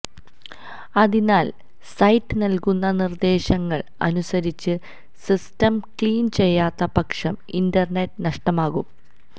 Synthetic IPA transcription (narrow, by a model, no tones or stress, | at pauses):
ɐðinaːl | sɐjtːɨnɐlkunːɐnird̪e̞ːɕɐŋːɐɭɐ̰nusɐɾit͡ɕːɨ | sistɐmkɭiːnt͡ɕe̞jːaːt̪ːɐpɐkʂɐmindɐrnetːɨnɐʂʈɐmaːɣum